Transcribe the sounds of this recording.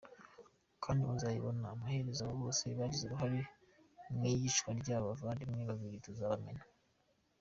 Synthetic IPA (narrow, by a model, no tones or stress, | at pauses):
kʰaːndiβuzajiβonaːmahe̞ɾezaβoβo̞ːse̞βaːɟizeɾuɦaɾe | mŋiɟiʃkwaɾɟaːβavaːndimŋiβaviɾitozaβamena